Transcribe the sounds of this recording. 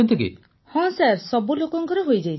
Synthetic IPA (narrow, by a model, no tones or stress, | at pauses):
ɔnt̪ʰekḭ | hɔ̃saɾsɔbulokɔŋkɔɾɔɦojd͡ʒaj